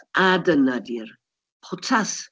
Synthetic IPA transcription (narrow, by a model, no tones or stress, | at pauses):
adənadir | χʊtʰas